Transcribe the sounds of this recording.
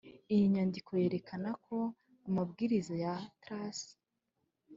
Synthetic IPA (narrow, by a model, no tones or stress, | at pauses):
ijiɲaːndikʰo̞je̞ːɾe̞kʰanakʰo̞ | amab̚ɡiːɾizojatɾas